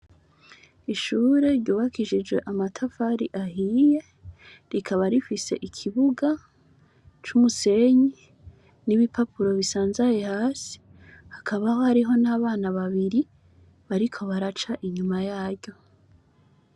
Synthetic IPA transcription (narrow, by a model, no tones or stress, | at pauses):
iʃuːɾe̞ɾɟuːβakiʃid͡ʒɡwe̞ʔamatʰafaɾiʔahiːje̞ | ɾikʰaβaɾifise̞̰ʔikʰiβuɡa | t͡ʃumuse̞ɲi | niβipapuɾo̞βisaːnzajehaːsi̥ | hakʰaβahohaɾiɦo̞naːβaːnaβaβiɾi | βaɾikʰo̞βaɾat͡ʃaʔiɲumajaːɾɟo̞